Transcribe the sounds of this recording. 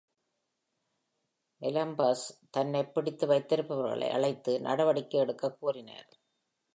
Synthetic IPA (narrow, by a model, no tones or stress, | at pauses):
ʔɛlɐmbaːst̪ɐnːɐɪpːɪɽɪt̪ːɯʋɐɪt̪ːɪɾɯpːɐʋɐɾɣɐ̰ɭɐ̰ɪʔɐ̰ɭɐɪt̪ːɯnʔɐ̰ɽɐʋɐɽɪkːɯɛɽɯkːɐkːuːrɪnɐ̰ɾ